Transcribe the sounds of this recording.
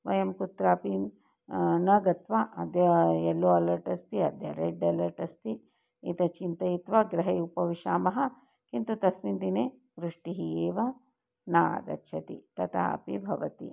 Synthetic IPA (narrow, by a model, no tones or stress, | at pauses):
ʋɐjɐmkut̪ɾaːpi | nɐɡɐt̪ʋaʔɐd̪jɐelːoːɐlɐɾʈɐst̪iɐd̪jɐ̰ɾeɖɐlɐɾʈɐst̪i | it̪ɐt͡ʃint̪ɐjit̪ʋɐɡɾɐɦeupɐʋiʃaːmɐɦɐ̆ | kint̪ut̪ɐsmind̪ineː | ʋɾuʂʈiɦieːʋɐ | na̰ːd̪ɐ̰tːʃʰɐt̪ḭt̪ɐt̪ʰaa̰pibʱɐʋɐt̪ḭ